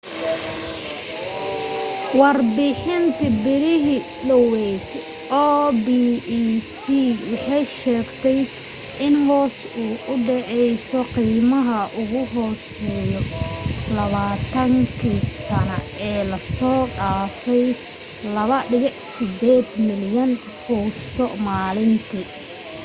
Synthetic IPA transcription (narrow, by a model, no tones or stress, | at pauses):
wɑrbɪħɪnt̪ʰɐbɪɾɪɦi | lɔwɛtʰ | ʔɔːbi | siːwɑħɑjʃɛːɡt̪ʰɛj | ʔɪnhɔːs | uːʔʊɖɛʕɛjsɔqiːmɐɦɐʔʊɣʊɦɔːs | ɛːjɔlɐβaːt̪ʰɐŋkʰisɐnɐ | ɛːlɐsɔːɗaːfɛj | lɐβɐɖɪɣɪħsɪd̪ɛːd̪mɪljɐn | kʰuːst̪ʰɔmaːlɪnt̪ʰi